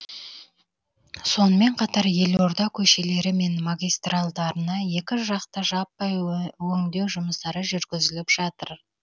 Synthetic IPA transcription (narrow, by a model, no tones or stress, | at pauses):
so̞nəme̞ɴqʰɑt̪ɑɾje̞lo̞ɾd̪ɑkʲʰɵʃe̞le̞ɾɪme̞nmaɡʲijst̪ralˠd̪ɑɾənɑje̞kʲɪʒɑqt̪ɑʒɑpːɑjwɵŋd̪e̞wʒʊməsd̪ɑɾəʒʏɾɡʲɪzɪlɪpʒ̥ɑt̪ə̰ɾ